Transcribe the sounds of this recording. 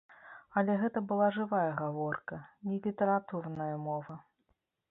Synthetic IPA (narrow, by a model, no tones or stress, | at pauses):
ɐlʲɛɣɛt̪ɐbɨlˠaʐɨvajɐɣavɔrkɐnʲɛlʲit̪ɛɾat̪urnɐjɐmɔvɐ